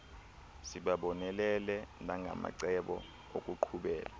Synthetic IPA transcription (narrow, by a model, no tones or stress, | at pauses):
siɓaɓɔnɛlɛlɛnaŋɡʱa̰ma̰ǀɛɓɔ̰ | okʼuǃʰuɓɛ̰ːla